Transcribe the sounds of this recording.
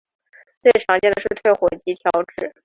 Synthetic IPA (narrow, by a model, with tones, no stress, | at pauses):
t͡se˥˩ɪʈ͡ʂʰɑ˨˥ŋt͡ɕjɛ˥˧nd̪ə˩ʂɻ̩˥˧t̪ʰwe˥˩ɪxwɔ˨˩t͡ɕi˧˥t̪ʰjɑ˧˥ʊʈ͡ʂɻ̩˥˩